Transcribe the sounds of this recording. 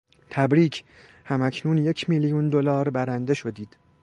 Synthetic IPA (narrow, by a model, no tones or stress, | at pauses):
t̪ʰæbɾiːcʰ | hæmæcʰnuːnje̞cʰmiljund̪olɒːɾbæɾænd̪e̞ʃo̞d̪iːd̪̥